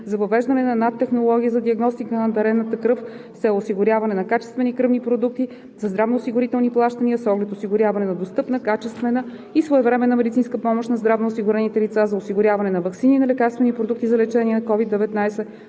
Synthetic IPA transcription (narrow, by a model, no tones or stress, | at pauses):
zɐvəvɛʒd̪ɐnɛnɐnat̪ːɛxnolˠɔɡʲiəzɐd̪iəɡnɔst̪ikənɐd̪ɐɾɛnːət̪əkɾɤfsɛosiɡʊɾʲjavɐnɛnɐkat͡ʃɛ̥st̪vɛnikɾɤvnipɾod̪uk̚t̪i | zɐzd̪ɾavnoːsiɡʊɾit̪ɛlˠniplˠaʃt̪əniəsɔɡlɛt̪osiɡʊɾʲjavɐnɛnɐd̪ost̪ɤpnəkat͡ʃɛst̪vɛnə | isvoɛvɾɛmɛnɐmɛd̪it̪sinskəpɔmoʃnɐzd̪ɾavnoːsiɡʊɾɛnit̪ɛlit̪sazɐosiɡʊɾʲjavɐnɛnɐvɐksininɐlɛkaɾst̪vɛnipɾod̪uk̚t̪izɐlɛt͡ʃɛniɛnɐkɔvid̪ɛvɛt̪najsɛ